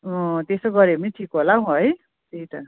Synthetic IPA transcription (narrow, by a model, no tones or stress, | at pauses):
ʌ̃t̪esoɡʌɾemiʈʰikɦolaũɦʌj | tit̪ʌ̰